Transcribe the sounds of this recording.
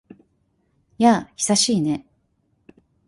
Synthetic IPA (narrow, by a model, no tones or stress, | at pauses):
jaçi̥saɕiːne̞